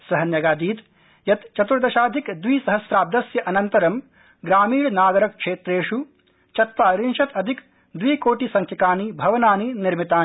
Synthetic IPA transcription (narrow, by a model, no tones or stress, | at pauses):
sɐɦɐnjɐɡaːd̪iːt̪ | jɐt̪t͡ʃɐt̪uɾd̪ɐʃaːd̪ʱikd̪ʋiːsɐɦɐsɾaːb̚d̪ɐsjɐʔɐnɐnt̪ɐɾɐm | ɡɾaːmiːɽnaːɡɐɾɐkkʂeːt̪ɾeːʂu | t͡ʃɐt̪̚paːɾinʃɐt̪ɐd̪ʱik | d̪ʋiːkoːʈisɐŋkʰɐkaːnibʱɐʋɐnaːniniɾmit̪aː